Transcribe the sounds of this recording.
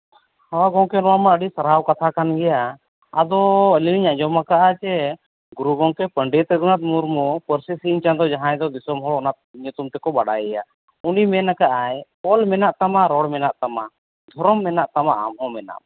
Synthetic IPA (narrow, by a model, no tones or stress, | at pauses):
hɔɡɔ̃ŋkɛnɔwamaəɖisaɾawkat̪ʰakanɡɛja | ad̪ɔəliniɲaʔd͡ʒɔmakaʔat͡ʃɛ | ɡuɾuɡɔŋkɛpəɳɖit̪ɛɡɔnat̪̚muɾmupəɾsisiɲt͡ʃand̪ɔd͡ʒaɦãjd̪ɔd̪isɔmɦɔɽɔnat̪̚ɲut̪umt̪ɛkɔbaɽa̰jɛja̰ | unimɛnakaʔaj | ɔlmɛnaʔt̪amaɾɔɽmɛnaʔt̪ama | d̪ʱɔɾɔmːɛnaʔt̪amaʔa̰mɦɔ̃mɛna̰ʔ